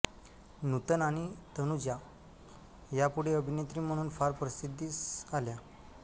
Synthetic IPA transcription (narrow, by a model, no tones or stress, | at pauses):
nut̪ənaɽ̃it̪ənud͡ʑja | japuɽ̤eəbʱinet̪ɾiːm̤əɽ̃uːnfaɾpɾəsid̪ʱːiːsalja